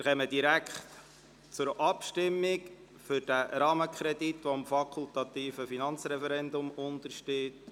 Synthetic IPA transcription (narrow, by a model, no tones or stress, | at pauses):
ɾχɛməd̥iɾækχt | t͡sʊɾʔɑpʃtɪmːɪk | fʏɾd̥æɾɑːməkʰχɾɛditʋoɪmfɑkʰʊlt̪ɑt̪iːfəfinɑnt͡sɾɛfɛɾɛndʊmʊnt̪əɾʃteːt